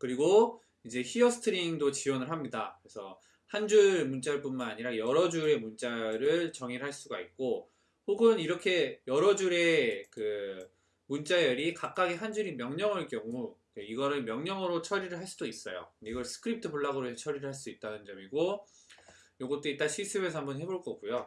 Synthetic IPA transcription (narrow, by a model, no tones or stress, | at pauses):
kɯɾiɡo | id͡ʑe̞çiʌsʰɯ̥tʰɯɾiŋdot͡ɕiwʌnɯɭɦamɲidakɯɾe̞sʰʌ̰ | hand͡ʑuɾmunt͡ɕ͈aɭp͈unmanaɲiɾajʌɾʌd͡ʑuɾe̞munt͡ɕ͈aɾɯɭt͡ɕʌŋiɭɦaɭs͈uɡaik̚k͈o | hoɡɯniɾʌkʰe̞jʌɾʌd͡ʑuɾe̞kɯ | munt͡ɕ͈ajʌɾikak͈̚aɡiɦand͡ʑuɾimjʌŋɲʌŋɯɭk͈jʌŋukeiɡʌɾɯɭmjʌŋɲʌŋɯɾot͡ɕʰʌɾiɾɯɭɦaɭs͈udois͈ʌjo̰iɡʌɭsʰɯ̥kʰɯɾip̚tʰɯbuɭːaɡɯɾoet͡ɕʰʌɾiɾɯɭɦaɭs̬͈uit̚t͈anɯnd͡ʑʌmiɡo | joɡʌt͈̚oit͈aɕʰisʰɯwesʰʌɦambʌnhe̞boɭk͈ʌɡujo